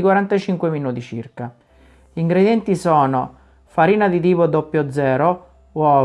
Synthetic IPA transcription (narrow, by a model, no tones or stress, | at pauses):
ikwaɾant̪at͡ʃiŋkweminuːt̪it͡ʃḭrka | ʎiŋɡɾed̪jɛnt̪isɔːno | faɾiːnad̪it̪̬iːpod̪opːjod̪zɛːɾo | wɔ